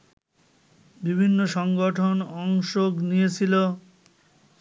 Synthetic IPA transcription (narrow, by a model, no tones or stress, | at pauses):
bibʱinːoʃɔŋɡoʈʰonɔŋʃoɡnijet͡ɕʰilo